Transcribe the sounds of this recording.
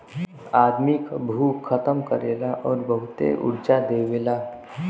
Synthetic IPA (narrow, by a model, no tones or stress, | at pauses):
aːd̪mikabʱuːət̪əmkəɾeːlaʔɔːɾbəɦʊt̪ḛʔʊ̰ɽd͡ʒad̪eːʋeːlaː